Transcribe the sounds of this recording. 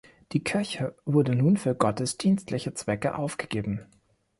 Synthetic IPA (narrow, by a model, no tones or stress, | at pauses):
d̥iːkʰɪɐçəvʊɐdənuːnfyːɐɡɔtəsd̥iːnstlɪçət͡sv̥ɛkəʔaʊfɡ̥əɡ̥eːbm̩